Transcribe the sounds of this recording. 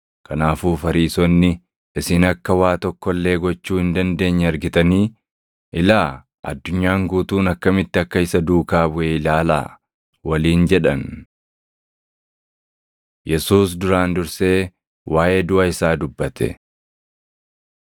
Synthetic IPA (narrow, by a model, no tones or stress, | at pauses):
kʰɐnaːfuːfɐɾiːsɔnːɪ | ɪsɪnɐkːɐwaːt̪ɔkːɔlːe̞ːɡɔt͡ʃːuːhɪnd̪ɐnd̪e̞ːɲːɛɐɾɡɪt̪ɐniː | ʔɪlaː | ʔɐ̰d̪ːʊɲːaːŋɡuːt̪uːnɐkːɐmɪt̪ːɪɐkːɐɪsɐd̪uːkaːbʊʔɛɪlaːla̰ː | wɐliːnd͡ʒɛᶑɐn | jɛsuːs̬d̪ʊɾaːnd̪ʊɾse̞ː | wʔaːʔe̞ːd̪ʊʔɐɪsaːd̪ʊbːɐt̪ʰɛ̰